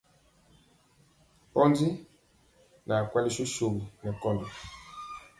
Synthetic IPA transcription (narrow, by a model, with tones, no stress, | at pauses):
pɔ˦ndi˦ | na˨kwɛ˦li˦ʃo˦ʃo˨ɣi˨nɛ˨kɔ˦ndi˨